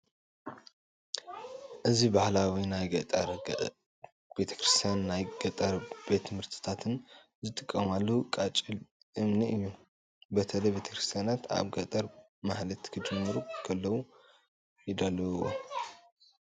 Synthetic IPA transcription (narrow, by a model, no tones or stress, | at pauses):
ʔɨzibahlawinajɡɐt̪ʼɾ | b̥e̞t̪ʰɐ̥kɾɨst̪ʰjanːajɡ̥ɐt̪ʼɐɾbe̞t̪ʰːɨmɨɾt̪ʰɨ̥t̪ʰat̪ʰɨn | zɨt̪ʼɨkʼːɐmalːɐukʼat͡ʃʼil | ʔɨmniɨjːu | bɐt̪ʰɐlɐjbe̞t̪ʰɐ̥kɾɨst̪ʰjanat̪a̰βɡɐt̪ʼɐɾ | mahlɐt̪kʰɨd͡ʒɨmːɨɾukʰɐlːɐwu | jɪd̪alːɐwo̰